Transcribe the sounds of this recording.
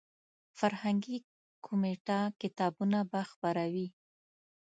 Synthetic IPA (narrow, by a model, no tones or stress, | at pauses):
faɾhaŋɡi | kʰomeʈakɪt̪ɑbunabaxpaɾawi